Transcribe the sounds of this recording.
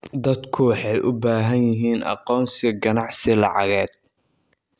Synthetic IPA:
d̪ɐd̪kʰʊwɑħɑjʔʊbaːɦɐnjɪɦiːnʔɑ̰qɔːnsɪɡɐnɑʕsɪlɑʕɑɣɛːd̪̚

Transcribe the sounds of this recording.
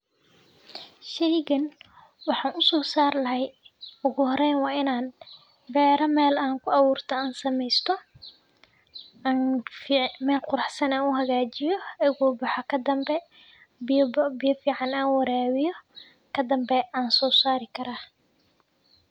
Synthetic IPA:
ʃɛjɣɐn | wɑħɑːnʊsɔːsaːrlɐɦɛjʊɣʊhɔɾɛjnwɑːɪnaːn | bɛːɾɐmɛːlaːŋkʰʊɑwuːrt̪ʰɐaːnsɐmɛjst̪ʰɔ | aːnfmɛːlqʊɾɑħsɐnaːnʊɦɐɣaːt͡ʃɪjɔɛɣɔːbɑħɔkʰɐd̪ɐmbɛ | bɪbbɪjɐfiːʕɑnaːnwɐɾɛːwɪjɔ | kʰɐd̪ɐmbɛʔaːnsɔːsaːɾɪkʰɐɾaː

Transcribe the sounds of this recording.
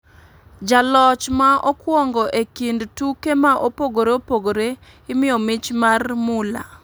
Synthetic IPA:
d͡ʒalɔt͡ʃmaʔɔkwɔŋɡɔʔekindtukemaʔopoɡoɾeopoɡoɾe | ɪmɪjɔmɪt͡ʃmarmʊla̰

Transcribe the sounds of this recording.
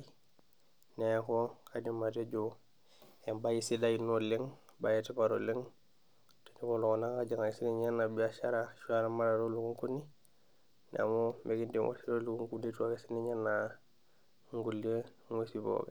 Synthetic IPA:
nekokadimateɟo | embajisidajnoleŋ | bajetipaɾo̰leŋ | te̥nikolokonaŋkad͡ʒaŋajisiniɲanːabiaʃaɾaʃuaɾamaɾaɾolukuŋkuni | na̰momeɡindiŋwʔo̰siɾoluuŋkundituaɡesiniɲanːa | ŋɡule | ŋwesibo̰ɡe

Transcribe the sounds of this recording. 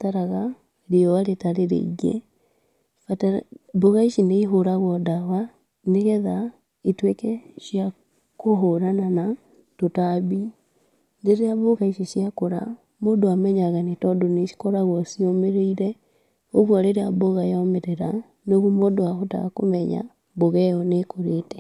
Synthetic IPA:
taɾaɣa | ɾioaɾetaɾeɾḛiɡḛ | fataboɣaiʃineiɦoɾaɣwɔdawa | neɣɛða | itwekɛʃja | koɦoɾanana | totaβi | ndeɾeaβoɣaiʃiʃjakoɾa̰ | modoamɛɲaɣanetɔdoneʃi̥koɾaɣwosiomeɾeiɾe | oɣwaɾeɾeaboɣajɔmeɾeɾa | noɣomodoaɦota̰ko̰mɛɲa̰ | βoɣɛjɔnekoɾete̥

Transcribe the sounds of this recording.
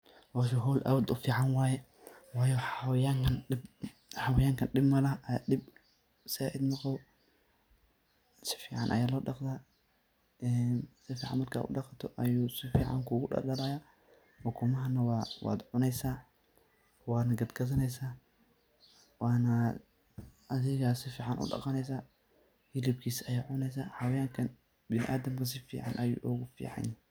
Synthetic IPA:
waʃʊɦɔːlʔɐ̰wd̪ʊfiːʕanwaːjɛ | waːjɔħawjaːŋkʰɐnɪb | ħawɐjaːŋkʰɐnɗɪbmɐlɐɐɗɪb | sɪaʔɪd̪mɔqɔ | sɪ̥fiːʕa̰nʔɐ̰jaːlɔːɗɑqt̪aː | ʔɛnsɪfiːʕa̰nmɐrkʰaa̰ʊ̰ɗɑqɐt̪ʰɔʔɐjuːsɪfiːʕa̰ŋkʰuːɡʊɗɐ̰lɐlaja | wɔkʰʊmɐɦɐnɐwawa̰ːd̪ʕʊnɛjsa | waːnɐɡɐd̪ɡɐðɐnɛjsa | waːnɐ | ɐðɪɣaːsɪfiːʕanʔʊ̰ɗɐ̰qʼɐnɛjs̬a | hilɪb̚kʰiːsɐjaːʕʊnɛjs̬aːhɐwɐjaːŋkʰɐn | bɪnɪ̰ʔaːd̪ɐmkʰɐs̬ɪfḭːʕa̰nʔɐjṵːʔɔɣʊfḭːʕa̰n

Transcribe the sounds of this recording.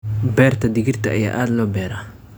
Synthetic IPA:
bɛːrt̪ʰɐd̪ɪɣɪrt̪ʰɐɐja̰ːʔaːd̪lɔːbɛːɾa

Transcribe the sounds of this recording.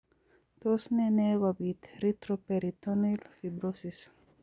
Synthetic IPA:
t̪osnɛnɛɣɔbit̪ɾit̪ɾopeɾit̪onilfibɾosis

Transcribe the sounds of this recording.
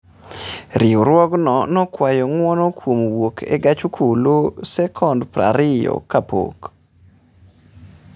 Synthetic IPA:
ɾɪoɾwɔɡnɔnɔkwajɔŋwɔnɔkwomwokʰḛɡat͡ʃukʰulosɛkʰɔndpɾa̰ɾɪjɔ̰kapo̰k

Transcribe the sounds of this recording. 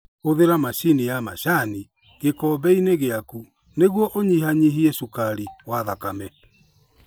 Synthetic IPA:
oðeɾamaɕinijama̰ɕani | ɣekɔbɛineɣeaku | neɣwɔʔoɲiɦaɲiɦiɛʃukaɾiwaðakamɛ

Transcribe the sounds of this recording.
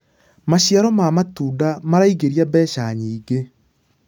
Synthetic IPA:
maɕjaɾɔmamatuːdamaɾaiɡeɾiabɛːʃaɲiːɡe

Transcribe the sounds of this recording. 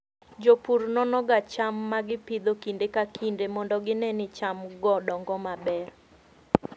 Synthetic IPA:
d͡ʒopuɾnɔnɔɡat͡ʃamːaɡɪpid̪okindekakʰindemɔndɔɡɪnɛnɪt͡ʃamɡɔdɔŋɡɔmabɛr

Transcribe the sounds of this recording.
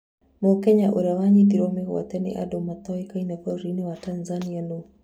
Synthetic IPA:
mɔkɛɲaʔuɾawaɲit̪iɾɔmeɣɔ̰t̪ɛnɪ̰ʔa̰domat̪ɔikainakɔɾinewatanzaniano

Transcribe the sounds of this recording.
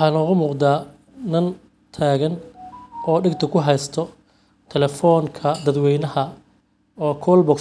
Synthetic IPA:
ɑːnɔːɣʊmuːqd̪aː | nɐn | t̪ʰaːɣɐn | ɔːɖɪɡt̪ʰɐkʰʊɦɛjst̪ʰɔ | t̪ʰɛlɛfɔːŋkʰɐd̪ɐd̪wɛjnɐhɐ | ɔːkʰɔːlbɔk

